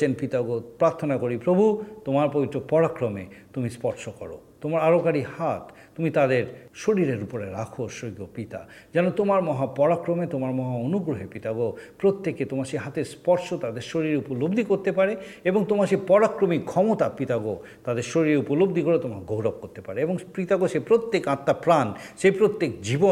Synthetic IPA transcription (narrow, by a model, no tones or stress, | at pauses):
enpit̪aɡopɾaɾt̪ʰonakoɾipɾobʱut̪omaɾpobit̪ːɾopɔɾakɾomḛt̪umispɔɾʃokɔɾo̰t̪omaɾaɾokaɾihat̪ | t̪ːumit̪ad̪eɾʃoɽiɾeɾupoɾeɾakʰoʃoɡopit̪a̰ | d͡ʑɛnot̪omaɾmɔɦapɔɽakɾomet̪omaɾmɔɦaonuɡɾoɦepit̪aɡopɾot̪ːeket̪omaʃeɦat̪eɾspɔɾʃot̪ad̪eɾʃoɾiɾeupolobd̪ʱikoɾt̪epaɾe | eboŋt̪omaʃepɔɽakɾomikʰɔmot̪apit̪aɡo | t̪ad̪eɾʃoɾiɾeupolobd̪ʱikoɾet̪omakɡowɾɔb̚koɾt̪epaɾeeboŋpit̪aɡoʃepɾot̪ːekãt̪ːapɾanʃejpɾot̪ːek̚d͡ʑibo